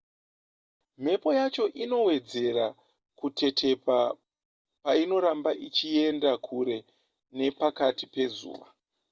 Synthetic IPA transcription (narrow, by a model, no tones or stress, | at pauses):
m̤e̞po̞jat͡ʃo̞ʔino̞we̞d͡ze̞ɾa | kutʰe̞tʰe̞pa | paino̞ɾambaʔit͡ʃie̞ndakʰuɾe̞ | ne̞pakatipe̞zṵːʋa̰